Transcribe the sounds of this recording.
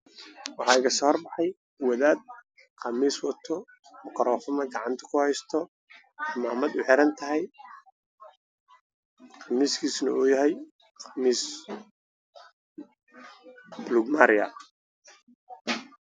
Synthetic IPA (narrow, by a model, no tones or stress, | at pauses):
wɑħɑːɪɣɐsɔːhrbɑħɑj | wɔðaːd̪̚ | qɑmiːswɑt̪ʰɔ | mʊkɑɾɔːfʊmɐɡɑʕɑnt̪ʰɐ̥kʰʊhɛjst̪ʰɔ | maːmɐd̪ʊħɪɾɐnt̪ʰɐɦɛj | qɑmiːskʰiːsnɐ̰uːjɐɦɛj | qɑmiːs | bluɡmaːɾɪjɐ̰